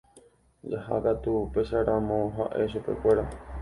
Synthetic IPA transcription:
d͡ʒaha̰kat̪upeʃaɾãmõɦa̰ʔe̞ʃupe̞̰kʷe̞ɾa

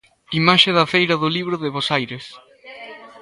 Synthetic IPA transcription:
imaʃeðɐfejɾɐðʊliβɾʊðɪβosajɾes

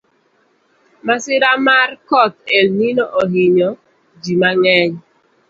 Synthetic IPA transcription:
masɪɾamarkɔt̪elninoʔoɦiɲɔ | d͡ʒimaŋɛɲ

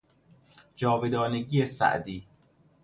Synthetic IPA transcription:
d͡ʒɒːved̪ɒːneɡiːesæ̰ʔd̪iː

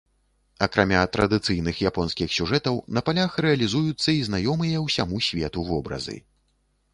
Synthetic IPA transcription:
ɐkɾamʲat̪ɾɐd̪ɨt̪sɨjnɨxjapɔnskʲixsʲuʐɛt̪ɐwnɐpalʲaxrɛɐlʲizujut̪sːɐiznajɔmɨjɐwsʲamusʲvʲɛt̪uvɔbɾɐ̰zɨ̰

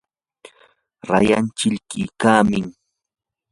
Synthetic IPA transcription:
ɾa̰jant͡ʃɪʎkɪkaːmɪŋ

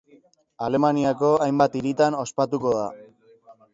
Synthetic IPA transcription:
ale̞maniako̞ajmbat̪iɾit̪ano̞spat̪uko̞ða̰

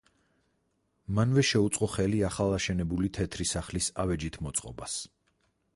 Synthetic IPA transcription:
manvɛʃɛut̪sʼqʼɔχɛliaχalˠaʃɛnɛbulit̪ʰɛt̪ʰɾisaχlisavɛd͡ʒit̪ʰmɔt̪sʼqʼɔ̰bas

